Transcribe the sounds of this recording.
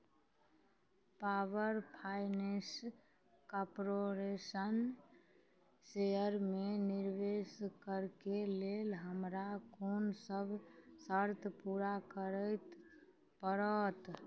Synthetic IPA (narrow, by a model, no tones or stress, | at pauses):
paʋəɾpʰajnes | kapɾoɾesən | sejəɾmeniɾʋeskəɾkelelɦəmɾakonsəbʱsəɾt̪ʰpuɾakəɾət̪ | pəɾət̪